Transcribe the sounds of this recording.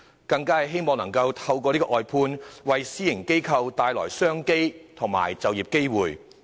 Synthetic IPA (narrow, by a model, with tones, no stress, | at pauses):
kɐ˧ŋkaː˥hɐ˨jɦe˥jmɔː˨ŋnɐ˨˩ŋkɐ˧wt̪ʰɐ˧wk̬ɔː˧liː˥kɔː˧ʔɔː˨jpʰuː˧nwɐ˨jsiː˥jɪ˨˩ŋke˥jkʰɐ˧wt̪aː˨jlɔ̰ː˨˩jsœː˥ŋke˥jt̪ʰʊ˨˩ŋma̰ː˨˩jt͡sɐ˨wjiː˨˩p̚ke˥jwuː˨˩j